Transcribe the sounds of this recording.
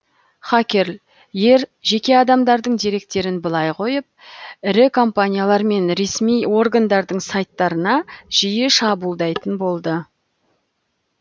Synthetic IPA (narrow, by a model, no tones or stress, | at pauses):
χakʲe̞ɾl | je̞ɾʒe̞kʲe̞ɑd̪ɑmd̪ɑɾd̪əɴd̪eɾe̞k̚t̪e̞ɾɪnbəlˠɑjqʰo̞jəp̚ɪɾɪkʰo̞mpanʲijalˠɑɾme̞nɾe̞smijo̞rɡand̪ɑɾd̪əɴsɑjt̪ːɑɾənɑʒ̥ijɪʃɑbulˠd̪ɑjt̪ənbo̞lˠd̪ə